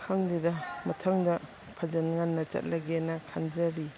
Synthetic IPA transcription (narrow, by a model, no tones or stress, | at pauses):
kʰaŋdidɐmɐtʰaŋdɐ | pʰad͡ʒanŋanːɐt͡ʃɐ̰t̚laɡenakʰand͡ʒaɾi